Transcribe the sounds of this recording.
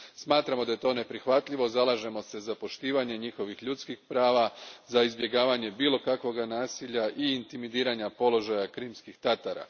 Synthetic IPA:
smaːt̪ɾamo̞d̪aje̞t̪o̞ːne̞pɾixʋat̪ʎiʋo̞zalˠaʒe̞mo̞se̞zapo̞ʃt̪iːʋaɲe̞ɲixo̞ʋixʎut̪skixpɾaːʋazaizbje̞ɡaːʋaɲe̞biːlo̞kakʋo̞ɡanaːsiʎaʔiːnt̪imid̪iːɾaɲapo̞lo̞ʒajakɾiːmskixt̪at̪aɾa̰

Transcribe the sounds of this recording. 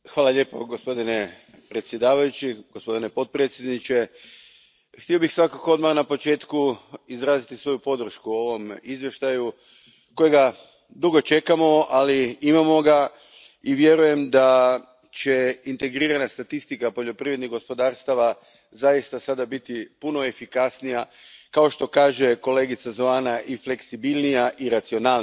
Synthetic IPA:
xʋaːlaʎe̞ːpo̞ɡo̞spo̞d̪ine̞ | pɾe̞t̪sʲje̞d̪aːʋajut͡ɕiɡ̥ospo̞d̪ine̞po̞t̪̚pɾe̞t̪sjed̪nit͡ɕe̞ | xt̪io̞bixsʋakako̞d̪maɾnapo̞t͡ʃe̞ːt̪kuizɾaːzit̪isʋo̞jupo̞d̪r̩ʃkuo̞ʋo̞mizʋje̞ʃt̪aju | ko̞jeɡa | d̪uɡo̞t͡ʃe̞kamo̞aliimamo̞ɡa | iʋje̞ɾuje̞md̪a | t͡ɕe̞int̪e̞ɡɾiːɾanast̪at̪ist̪ikapo̞ʎo̞pɾiʋɾed̪niɣɡo̞spo̞d̪aːɾst̪aʋa | zajist̪asad̪abit̪ipuno̞e̞fikasnija | kao̞ʃt̪o̞kaːʒe̞ko̞le̞ːɡit̪sazoaːnaʔifle̞ksibilˠnijaʔiɾat̪sio̞naːl

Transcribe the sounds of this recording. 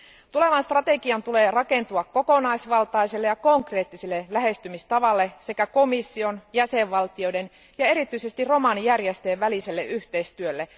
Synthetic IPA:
t̪ule̞ʋɑnst̪rɑt̪e̞ɡiɑnt̪ule̞ːrɑke̞nt̪uɑkko̞ko̞nɑjsʋɑlt̪ɑiselːejɑko̞ŋkre̞ːt̪ːiselːelæɦe̞st̪ymist̪ɑʋɑlːe̞se̞kæko̞misːio̞njæse̞ʋʋɑlt̪io̞jden | jɑe̞ɾit̪yise̞st̪irro̞mɑnijærjest̪eːʋʋælise̞lːeʔyçt̪eist̪yølːe

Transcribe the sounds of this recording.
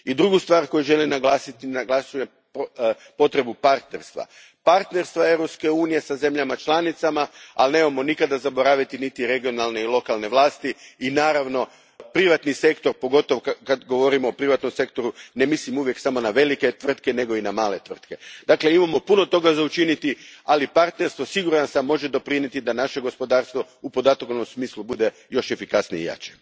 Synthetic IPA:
id̪ɾuɡust̪ʋaːɾko̞juʒe̞linaɡlˠaːsit̪inaɡlˠasuje | p | po̞t̪ɾe̞bupaɾt̪ne̞ɾst̪ʋa̰ | paɾt̪ne̞ɾst̪ʋae̞ʋɾo̞pske̞uːnije̞saze̞mʎamat͡ʃlˠanit̪samaalne̞mamo̞nikad̪azabo̞ɾaːʋit̪init̪iɾe̞ɡio̞nalˠne̞ilˠo̞kalˠne̞ʋlˠaːst̪iinaːɾaʋno̞ | pɾiʋat̪nise̞kt̪o̞ɾpo̞ɡo̞t̪o̞ʋokad̪ɡo̞ʋo̞ɾimoːpɾiʋat̪no̞mse̞kt̪o̞ɾune̞mislimuʋje̞ksamo̞naʋe̞like̞t̪ʋr̩t̪ke̞ne̞ɡo̞inamaːle̞t̪ʋr̩t̪ke̞d̪akle̞imamo̞puno̞t̪o̞ɡazaut͡ʃinit̪ialipaɾt̪ne̞ɾst̪ʋo̞siɡuɾansamːo̞ʒe̞d̪o̞pɾinet̪id̪anaʃe̞ɡo̞spo̞d̪aːɾst̪ʋo̞ | upo̞d̪at̪kono̞msmiːslubud̪e̞ | jo̞ʃe̞fikasniḭja̰ːt͡ʃe

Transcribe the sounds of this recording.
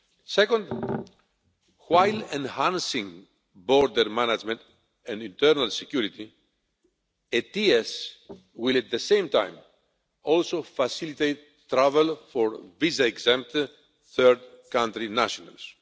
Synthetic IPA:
sekõnd̪ | wajlẽnhãnsĩŋ | boɾd̪eɾmanɐd͡ʒmẽnt̪ | ẽndĩnt̪eɾnɐlsecuɾit̪i | et̪ies | wilɐt̪ðesẽjmt̪a̰jm | olsofɐsilit̪ejt̪ːɾavelfoɾvizɐeɡzɛ̃mp̚t̪ | θeɾd̪ | kãnt̪ɾinaʃonɐ̰ls

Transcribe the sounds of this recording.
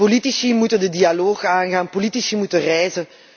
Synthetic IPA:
politisimutəndədialoːxaːnɣaːnpolitisimutərɛjzə

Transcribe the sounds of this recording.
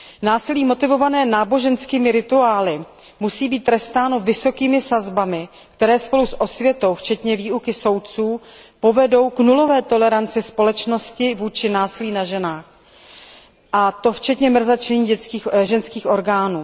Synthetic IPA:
naːsɪliːmo̞t̪ɪvo̞vanɛːnaːbo̞ʒɛnskiːmɪɾɪt̪uaːlɪ | musiːbiːt̪tːɾɛst̪aːno̞vɪso̞kiːmɪsazbamɪ | kt̪ɛɾɛːspo̞lusʔo̞svjɛt̪o̞wft͡ʃɛt̪ɲɛviːukɪso̞wt̪̚t͡suːpo̞vɛdo̞wknulo̞vɛːt̪o̞lɛɾant͡sɪspo̞lɛt͡ʃno̞scɪvuːt͡ʃɪnaːsɪliːnaʒɛnaːx | ʔat̪o̞ft͡ʃɛt̪ɲɛmr̩zat͡ʃɛɲiːɟɛt͡skiːxʒɛnskiːxʔo̞ɾɡaːnuː

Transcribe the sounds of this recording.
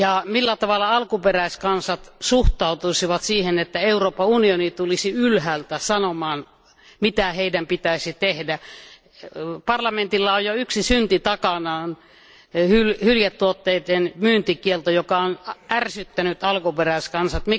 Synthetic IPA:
jɑmilːæt̪ɑʋɑlːɑɑlkuperæˑiskɑnsɑt̪suht̪ɑˑut̪usiʋɑt̪siːhenet̪ːæeuroːpːɑunionit̪ulisiylhæːlt̪æsɑnomɑːn | mit̪æheidæmpit̪æˑisit̪ehdæ | pɑrlɑment̪ilːɑojjoyksisynt̪it̪ɑkɑnɑːn | hylhyljæt̪ːuot̪ːeit̪enmyːnt̪ikielt̪ojokɑonʔærsyt̪ːænyt̪ɑlkuperæˑiskɑnsɑt̪mi

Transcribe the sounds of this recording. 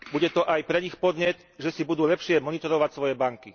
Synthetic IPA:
buɟɛt̪ɔʔajpɾɛixpɔd̪ɲɛt̪ | ʒɛsibud̪uːlɛpʃɪɛmɔnit̪ɔɾɔʋacsʋɔjɛbaŋki

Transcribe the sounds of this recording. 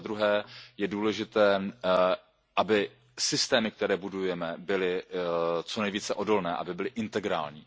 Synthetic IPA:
ad̪ɾuɦɛːjɛduːlɛʒɪt̪ɛː | ʔabɪ | sɪst̪ɛːmɪk̚t̪ɛɾɛːbudujjɛmɛbɪlɪ | t͡sonɛjviːt͡sɛʔo̞do̞lnɛːʔa̰bɪbɪlɪʔɪnt̪ɛɡɾa̰ːlɲiː

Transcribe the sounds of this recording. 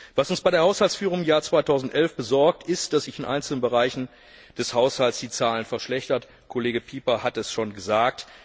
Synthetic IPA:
v̥asʊnsb̥aɪɾeɐhaʊshalt͡ssfyːʁ̞ʊŋɪmjaːɐt͡sv̥aɪtʰaʊzn̩tʔɛlfb̥əzɔɐk̚tʰɪstd̥asz̥ɪçɪnʔa̰ɪnt͡sl̩nənbəʁaɪçn̩ | d̥ɛshaʊshaltsd̥iːt͡saːlənfɛɐʃlɛçtɐt | kʰoleːɡəpʰiːpɐhatɛsʃoːnɡəzaːk̚t

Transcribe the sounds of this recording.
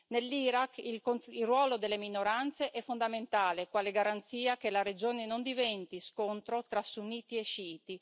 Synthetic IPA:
nelːiːɾakilkoilrwɔːlod̪elːeminoɾant̪seʔɛfːond̪ament̪aːlekwaːleɡaɾant̪siːakelaɾed͡ʒoːnenond̪ivɛnt̪iskont̪ɾot̪ɾasunːiːt̪ieʃiːt̪i

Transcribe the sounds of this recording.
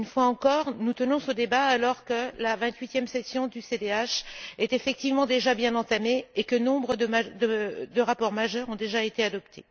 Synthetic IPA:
ynfwaɑ̃kɔʁnut̪ənɔ̃səd̪ebaːlɔʁkəlavɛ̃t̪ɥit̪jɛmsɛsjɔ̃d̪ysed̪eaʃɛt̪efɛk̚t̪ivmɑ̃d̪eʒabjɛ̃nɑ̃t̪ameːkənɔ̃bʁəd̪əmad̪əd̪əʁapɔʁmaʒœʁɔ̃d̪eʒaet̪ead̪ɔpt̪ʰḛ

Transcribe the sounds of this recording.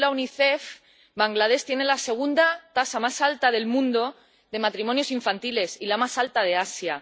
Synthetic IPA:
launiθe̞f | baŋɡlað̞e̞st̪je̞nelase̞ɣ̞und̪at̪asamasalt̪aðe̞lmũnd̪o̞ | ðe̞mat̪ɾimonjo̞siɱfant̪ile̞silamasalt̪að̞e̞asja

